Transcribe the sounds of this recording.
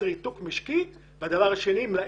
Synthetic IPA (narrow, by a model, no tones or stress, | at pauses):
ʁit̪ukmiʃki | bad̪avaʁaʃenimlaʔ